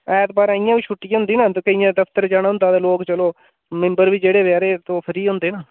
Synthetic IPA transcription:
ɛːt̪baːɾãːɪjãːʋiːʃʰʊʈːiːɦʊ̃ːnd̪iːnaːt̪oːkeɪjãːd̪əpʰt̪əɾd͡ʒaːɽ̃ːʊ̃nd̪aːt̪aːloːkt͡ʃəloː | mɪ̃mbəɾʋiːd͡ʒeːɽeːʋaːɾeːt̪oːpʰɪɾiːɦʊ̃ːnd̪eːnaː

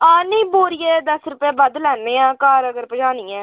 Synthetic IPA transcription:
aːniːboːɾɪjeːd̪ɐsɾʊpjeːbɐd̪lɛnːẽːãːkaːɾɐɡəɾpɐd͡ʒaːnĩːɛ̃ː

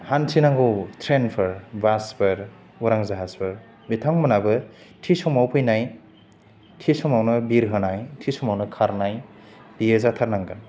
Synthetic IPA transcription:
hansʰinaŋɡɯwtʰɾenpʰɯɾbaspɯɾ | uɾaŋzaɦaspʰɯɾ | bitʰaŋmɯnabɯ | tʰisɔmawpʰɯjnaj | tʰisɔmawnɯbiɾɦɯnajtʰisɔmawnɯkʰaɾnaj | b̥ijezatʰaɾnaŋɡan

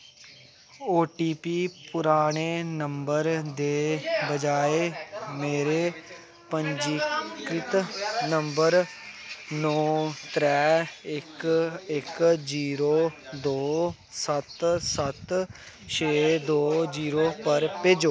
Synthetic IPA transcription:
oːʈiːpiːpʊɾaːɽ̃eːnəmbəɾd̪eːbəd͡ʒaːeːmeːɾeː | pəɲd͡ʒikɾɪt̪nəmbəɾ | nɔːt̪ɾɛːɪkɪkd͡ʒiːɾoːd̪oː | sət̪sət̪ | t͡ʃʰeːd̪oːd͡ʒiːɾoːpəɾpeːd͡ʒoː

